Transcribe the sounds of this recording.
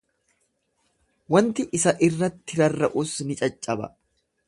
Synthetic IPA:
wɐnt̪ɪʔɪsɐʔɪrːɐt̪ːɪɾɐrːɐʔʊsnɪt͡ʃʼɐt͡ʃʼːɐbɐ̰

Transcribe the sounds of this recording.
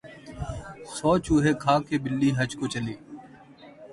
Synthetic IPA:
sɔːt͡ʃuːɦeːkʰaːkeːbɪlːiːɦəd͡ʒkoːt͡ʃəleː

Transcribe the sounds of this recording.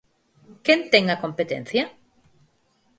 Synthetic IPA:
kent̪eŋakompet̪ḛ̃n̟θja

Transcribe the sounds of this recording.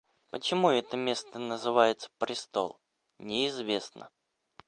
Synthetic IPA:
pət͡ɕɪmuɛt̪əmʲe̞st̪ənəzɨvajɪt̪sə̥pɾʲɪst̪o̰lˠ | nʲɪɪzvʲe̞snʔə̰

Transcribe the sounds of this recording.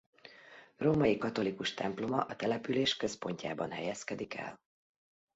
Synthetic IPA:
roːmɒjikɒt̪o̞likuʃt̪ɛmplo̞mɒʔɒt̪ɛlɛpyleːʃkø̞spo̞ɲca̰ːbɒnɦɛjɛskɛd̪ikɛ̰l

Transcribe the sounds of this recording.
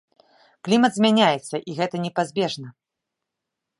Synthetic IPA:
klʲimɐt̪zʲmʲanʲajɛt̪sːɐʔiɣɛt̪ɐnʲɛpazʲbʲɛʐnɐ

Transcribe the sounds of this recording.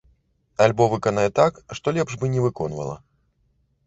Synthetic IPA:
alʲbɔvɨkɐnajɛt̪akʂt̪ɔlʲɛpʐbɨnʲɛvɨkɔnvɐ̰lˠɐ̰

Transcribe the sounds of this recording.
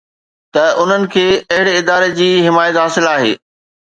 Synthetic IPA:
t̪ɐʔʊn̤ənɪ̆kʰeːɐɦɪɽɪd̪aːɾed͡ʑiːɦɪmaːjət̪ɦaːsɪlaːɦḛː

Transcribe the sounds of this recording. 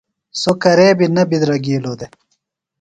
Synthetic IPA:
sokɐɾeːbinɐbid̪ɾɐɡiːloːd̪e

